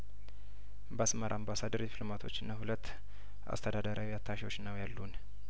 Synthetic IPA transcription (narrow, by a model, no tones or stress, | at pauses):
basməɾʔambasad̪əɾd̪ipʰlomat̪ʰo̞̰t͡ʃːɨnːahulət̪ː | ʔa̰st̪ʰəd̪ad̪əɾʔawiat̪ʰːaʃiwo̞t͡ʃːnəwjalːun